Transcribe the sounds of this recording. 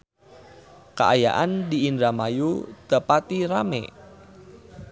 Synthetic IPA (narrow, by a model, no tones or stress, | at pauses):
ka̰ʔaja̰ʔandiindɾamajud̪̥əpat̪iɾamḛ